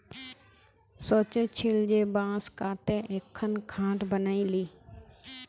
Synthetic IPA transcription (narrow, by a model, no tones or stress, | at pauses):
soːt͡ʃet͡ʃʰeːld͡ʒeːbãːskaːt̪eʔeːkʰːənkʰãːʈbənaːiliː